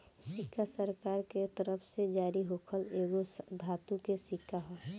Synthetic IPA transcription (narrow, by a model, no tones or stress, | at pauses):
sɪkʰːasəɾkaːɾket̪əɾəpʰsed͡ʒaːɾiɦoːkʰəleːɡosd̪ʱaːt̪ũkesɪkːaɦoː